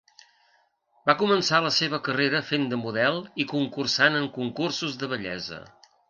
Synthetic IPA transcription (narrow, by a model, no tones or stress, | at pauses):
bakumənsaləseβ̞əkəreɾəfend̪əmuðɛlˠikuŋkursanəŋkuŋkursuzðəβ̞əʎɛ̰zə̰